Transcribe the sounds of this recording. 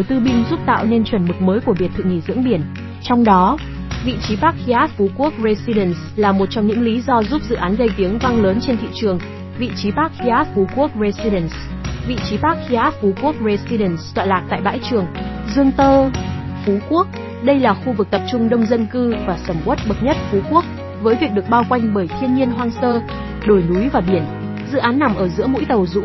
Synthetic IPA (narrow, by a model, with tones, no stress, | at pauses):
o˧˩jt̪ɨ˧ɓï˧ŋzu˦˥p̚t̪a̰ː˧˨wne˧nt͡ɕwə˨˩nmɨ˨˩k̚məː˨˦jku˧˩əi˨˩ət̪ʰɨ̰˧˨ŋi˧˩zɨ̰˧˥əŋɓi˧˩ən | t͡ɕɔ˧wŋ͡mɗɔ˨˦ | vḭ˧˨t͡ɕi˨˦ɓaː˦˥k̚i˧ʔaː˦˥t̚fu˨˦ku˦˥ək̚ze˧zi˧ɗə˧˩ns | laː˨˩mo˨˩t̚t͡ɕɔ˧wŋ͡mɲɨ̰˧˥ŋli˨˦zɔ˧zu˦˥p̚zɨ̰˧˨ʔaː˨˦nɣə˧jt̪i˨˦əŋva˧ŋləː˨˦nt͡ɕe˧nt̪ʰḭ˧˨t͡ɕɨ˨˩əŋ | vḭ˧˨t͡ɕi˨˦ɓaː˦˥k̚xi˧ʔaː˦˥t̚fu˨˦ku˦˥ək̚ɹe˧zi˧ɗə˧˩ns | vḭ˧˨t͡ɕi˨˦ɓaː˦˥k̚xi˧ʔaː˦˥t̚fu˨˦ku˦˥ək̚ze˧zi˧ɗə˨˧˩nst̪wa̰˧˨laː˨˩k̚t̪a̰ː˧˨jɓaː˧˥jt͡ɕɨ˨˩əŋ | zɨ˧əŋt̪əː˧ | fu˨˦ku˦˥ək̚ | ɗə˧jlaː˨˩xu˧vɨ˨˩k̚t̪ə˨˩p̚t͡ɕʊ˧ŋ͡mɗə˧wŋ͡mzə˧nkɨ˧vaː˨˩səː˧˩mʔwt̚ɓə˨˩t̚ɲə˦˥t̚fu˨˦ku˦˥ək̚ | vəː˨˦jvi˨˩ək̚ɗɨ˨˩ək̚ɓaː˧wkwa˧jŋ̟ɓəː˧˩jt̪ʰi˧ənɲi˧ənɦwaː˧ŋsəː˧ | ɗo˧˩jnu˨˦jvaː˨˩ɓi˧˩ən | zɨ̰˧˨ʔaː˨˦nːa˨˩mʔəː˧˩zɨ̰˧˥əmṵ˧˥jt̪ə˨˩wzṵ˧˥